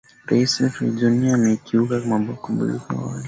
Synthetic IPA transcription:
ɾaisɛfḭd͡ʒɔniaːmɛkʰiukakamambakumbṵlḭka̰wa̰li

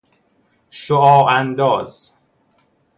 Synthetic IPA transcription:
ʃoʔɒːʔænd̪ɒːz̥

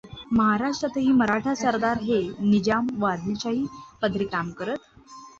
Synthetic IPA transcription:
məɦaɾaʂʈɾət̪əɦiːməɾaʈʰasəɾd̪aɾɦenid͡ʑamʋad̪lit͡ɕaɦiːpəd̪ʱɾikamkəɾət̪

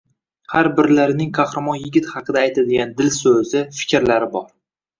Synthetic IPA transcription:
haɾbɪɾlaɾɪnɪŋkʰaχɾamɒnjɪɡʲɪt̪hɑqʰɨd̪aːjt̪ʰad̪ɪɡʲand̪ɪlsɵzɪfɪ̥kʲɾlaɾɪbɒɾ

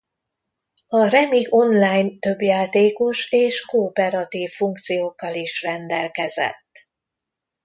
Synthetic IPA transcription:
ɒrɛmiɡo̞nlaːjnt̪ø̞bjaːt̪eːko̞ʃeːʃkoːpɛɾɒt̪iːfːuŋk̚t̪sijoːkːɒliʃrɛnd̪ɛlkɛzɛ̰t̪ː

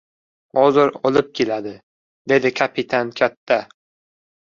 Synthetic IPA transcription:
hɒzɪɾɒlˠɪp̚kʲʰelad̪ɪ | d̪e̞d̪ɪkʲʰapʰɪt̪ʰankʲʰat̪ʰːa

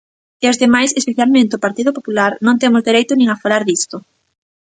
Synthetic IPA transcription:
eozðemajsespeθjalmẽnt̪eopaɾt̪iðʊpopulaɾnõŋt̪emʊzðeɾejt̪ʊnĩŋafalaɾðist̪ʊ

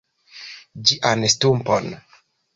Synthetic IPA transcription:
d͡ʒiʔanstumpon

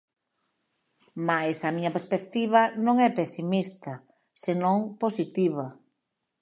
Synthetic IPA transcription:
majsɐmiɲɐpeɾspek̚t̪iβ̞ɐnõŋɛpesimist̪ɐ | senõŋposit̪iβɐ

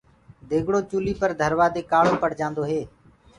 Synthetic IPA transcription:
d̪eːɡɽoːt͡ʃuːliːpəɾd̪ʱəɾʋaːd̪eːkaːɽoːpəɽ̤d͡ʒãːnd̪oːɦeː

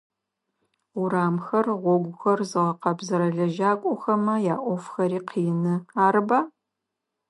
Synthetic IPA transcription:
ʊɾaːmxɐrʁʷɔɡʷʊxɐrzɨʁɐqɐbzɐɾɐɮɐʒaːkʷʼɔxɐmɐjaːʔʷɔfxɐɾiːqʰiːnɨaːɾɨbaː

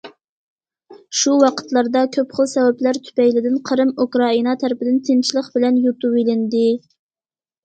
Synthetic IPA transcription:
ʃuwɑqʰə̥t̪lˠɑɾd̪ɑkʲʰøpχəlˠsɛwæplæɾt̪ʰy̥pɛjlɪd̪ɪnqʰəɾɨmukɾɑinɑt̪ʰæɾɪpɪd̪ɪnt̪ʰɪnt͡ʃʰilˠəqbɪlɛnjut̪uwelɪnd̪ɪ

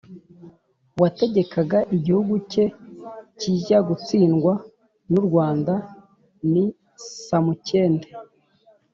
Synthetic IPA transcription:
wate̞ɟe̞kaɡaʔiɟihuɡuce̞ciːʒaɡut͡siːnɡwa | nuɾɡwaːnda | ni | samuce̞ːnde

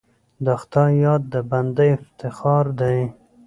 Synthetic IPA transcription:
d̪ɑxt̪ajɑd̪̚ːəband̪əjɪft̪ɪxɑɾd̪aj

